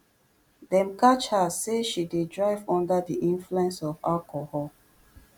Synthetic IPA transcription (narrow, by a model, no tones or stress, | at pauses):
dɛ̃mkat͡ʃhaseʃidedɹaɪvɔ̃ndədiʔĩnfluɛ̃nsɔvalkɔhɔl